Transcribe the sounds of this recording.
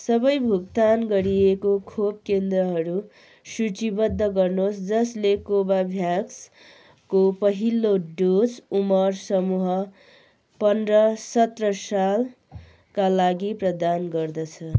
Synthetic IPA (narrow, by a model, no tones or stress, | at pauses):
sʌbʌjbʱuk̚t̪anɡʌɾiekokʰob̚kend̪rʌɦʌɾu | sut͡sibʌd̪ʱːʌɡʌrnosd͡zʌslekobabʱjaks | kopʌɦiloɖosumʌrsʌmuɦʌ | pʌnrʌsʌt̪rʌsal | kalaɡiprʌd̪anɡʌrd̪ʌt͡sʰʌ